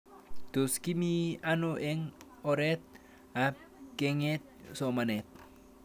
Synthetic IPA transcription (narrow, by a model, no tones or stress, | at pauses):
d̪̥o̤skimianoʔɪŋ | oɾɛt̪̚ | ap̚keŋɛt̪̚sɔmanɛt̪̚